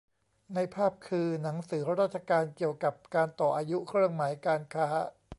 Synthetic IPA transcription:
na˧jpʰaː˥˩p̚kʰɯː˧na˩˦ŋsɯː˩˦ɾa˦ɾaː˥˩t̪̚t͡ɕʰa˧kaː˧nki˨˩əwka˨˩p̚kaː˧nt̪ɔː˨˩ʔaː˧ju˦˥ʔkʰɾɯ˥˩əŋmaː˩˦jkaː˧nkʰaː˦˥

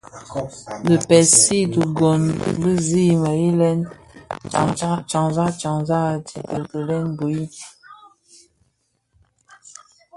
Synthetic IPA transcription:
lə˨pɛ˨si˦tə˨ɡɔ˨nbə˦zi˦˨ma˨ji˦lɛ˦n̰˨ | ŋa˦t͡ʃa˨ŋza˦t͡ʃa˨ŋza˦˨ti˨tə˨kə˨lɛ˦nbu˨i˦

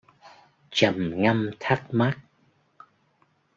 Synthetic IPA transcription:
t͡ɕə˨˩mŋa˧mt̪ʰa˦˥k̚ma˦˥k̚

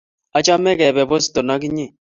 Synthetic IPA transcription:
a˨˦t͡ʃa˦mɛ˦kɛ˨bɛ˨bɔ˦si̥˨tɔ˨na˦k̬i˦ɲe˦˨

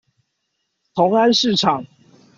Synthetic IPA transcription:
t̪ʰo˨˦˥ŋa˦˥nʂɻ̩˥˨ʈ͡ʂʰɑ˨˩ŋ

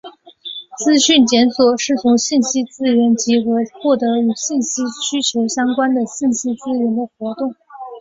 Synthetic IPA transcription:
t͡sɹ̩˥ɕy˥˩nt͡ɕjɛ˧˥nswɔ˨˩ʂɻ̩˥˩t͡sʰʊ˧˥ŋɕi˥˩nɕi˥t͡sɹ̩˥ɥə˧˥nt͡ɕi˧˥xɤ˧˥xwɔ˥˩t̪ɤ˧˥y˨˩ɕi˥˩nɕi˥ɕy˥t͡ɕʰjo˧˥ʊɕjɑ˥ŋkwa˥nd̪ə˨ɕi˥˩nɕi˥t͡sɹ̩˥ɻə˧˥nd̪ə˨xwɔ˧˥t̪ʊ˥˩ŋ

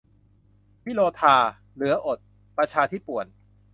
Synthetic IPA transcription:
pʰiː˥˩loː˧t̪ʰaː˧ | lɯ˩˦ɐʔo˨˩t̪̚ | pɾa˧t͡ɕʰaː˧t̪ʰiː˦˥˩pu˨˩ən

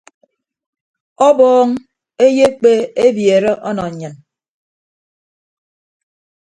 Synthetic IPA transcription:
ɔ˦bɔː˦ŋ | e˦je˦k͡pe˦e˦bje˨ɾe˦ʔɔ˦nɔ˨ɲ̩˨ɲɨ˨n

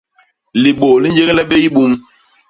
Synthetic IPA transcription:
li˨ɓo˨li˦ɲd͡ʒe˦ɣlɛ˦ɓe˦i˦ɓu˦m

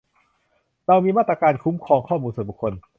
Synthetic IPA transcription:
ɾa˧wmiː˧maː˥˩t̪ɾa˧kaː˧nkʰu˦˥mkʰɔː˧ŋkʰɔː˥˩muː˧nsu˨˩˦bu˨˩kʰːo˧n

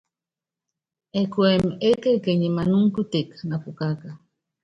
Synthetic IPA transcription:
ɛ˨kwɛ˨me˦ke˦ke˨ɲe˨ma˨nu˦ŋ˦ku˦te˨kna˨pu˨ka˦ka˨

